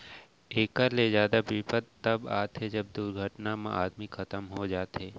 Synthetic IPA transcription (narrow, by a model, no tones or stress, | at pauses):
eːkəɾlezjaːd̪apipət̪t̪ːɐba̰ːt̪ɦed͡ʒɐb̚d̪uɾɡʱəʈnamã̰ʔaːd̪mikʰɐt̪əmɦod͡ʒaːt̪ɦeː